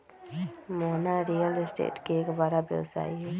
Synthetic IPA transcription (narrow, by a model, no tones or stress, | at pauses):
moːnaɾijəlsʈḛːʈkieːkbaːɾabjɛ̰wsa̰ːiɦɛː